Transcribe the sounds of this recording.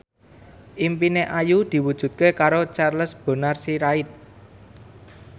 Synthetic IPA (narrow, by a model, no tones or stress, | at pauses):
ʔimpineʔajud̪̥i̤wud̥ʒ̥ṳt̪̚kekaɾot͡ʃarləsb̥ə̤narsiɾaɪt̪̚